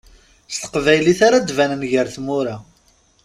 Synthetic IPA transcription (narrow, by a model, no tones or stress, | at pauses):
st̪ə̥qvæjliθaɾad̪vænənʝəɾθmʊɾa